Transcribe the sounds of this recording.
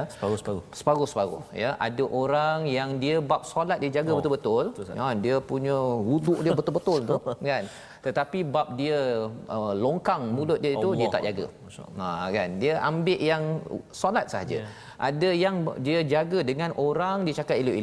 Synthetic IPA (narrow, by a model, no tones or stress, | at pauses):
sssə̥paɡʊhsə̥paɡʊ̰hjaʔa̰dəʔoɾaŋjaŋdiəbap̚salat̪̚diəd͡ʒaɡəbət̪ʊlbət̪ʊlandiəpuɲəwuduʔdiəbət̪ʊlbət̪ʊlt̪ukan | t̪ət̪apibap̚diəəloŋkaŋmulʊt̪̚diəit̪udiət̪a̰ʔd͡ʒaɡə̰ | akandiəʔambɪʔjaŋsalat̪̚səɦad͡ʒə̰ | ʔadəjaŋdiəd͡ʒaɡədəŋãnʔoɾaŋdiət͡ʃakat̪iluʔil